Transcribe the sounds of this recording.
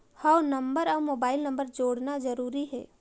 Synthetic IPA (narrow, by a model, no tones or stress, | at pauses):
hanɐmbəɾɔːmoːbaːɪlnə̃mbəɾd͡ʒoːɽnazəɾuːɾiɦɛ̰ː